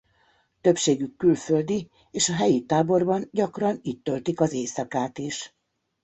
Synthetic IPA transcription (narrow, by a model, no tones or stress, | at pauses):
t̪ø̞pʃeːɡykːylfø̞ld̪i | eːʃɒɦɛjit̪aːbo̞rbɒnɟɒkrɒniːt̪ːø̞lt̪ikɒzeːsɒkaːt̪iʃ